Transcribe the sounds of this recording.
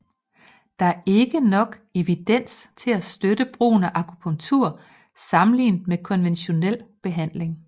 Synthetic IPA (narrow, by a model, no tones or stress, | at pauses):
d̥ɑ̈æɐʔe̝ɡ̥ənɒ̽ɡ̥e̝ʋid̥en̰st͡sʰe̝læsd̥ødəb̥ʁṵːnæʔɑ̈kʰupʰɔ̽ŋt͡sʰuɐ̰ | sɑ̈mn̩lḭːnd̥mekʰɒ̽nʋenɕo̝nel̰b̥e̝ɦæn̰le̝ŋ